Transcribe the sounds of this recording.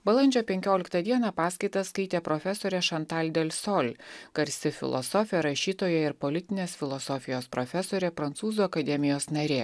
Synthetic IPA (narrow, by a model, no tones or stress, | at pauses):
bɐlˠɐnʲd͡ʒʲoːpʲɛŋʲkʲoːlʲɪkt̪ɐd̪ʲiɛnɑpɑːskɐɪt̪ɐsskɐɪt̪ʲeːpɾɔfʲɛsoːɾʲɛʃɐnt̪ɑlʲd̪ʲelʲsɔlʲɡ̥ɐɾʲsʲɪfʲɪ̰lˠɔ̰sɔfʲɪjɛɾɐʃʲiːt̪oːjɛɪɾpɔlʲɪt̪ʲɪnʲeːsfʲɪlˠɔsɔfʲɪjoːspɾɔfʲɛsoːɾʲɛpɾɐnt̪suːzuːɐkɐd̪ʲɛmʲɪjoːsnɐɾʲeː